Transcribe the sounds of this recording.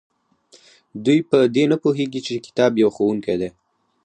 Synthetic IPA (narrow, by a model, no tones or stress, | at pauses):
d̪ujpəd̪enapuɦeɡit͡ʃekɪ̥t̪ɑbjawxowuŋked̪e